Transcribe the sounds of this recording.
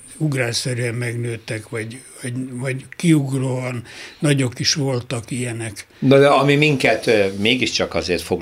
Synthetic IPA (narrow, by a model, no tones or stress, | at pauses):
uɡraːsɛɾyɛmmɛɡnøːt̪ɛkʋɒɟ | ɒɟʋɒɟkiuɡroːɒnːɒɟo̞kiʃʋo̞lt̪ɒkijɛnɛk | nod̪ɛɒmimiŋkɛt̪meːɡiʃt͡ʃɒkɒzeːrt̪foɡ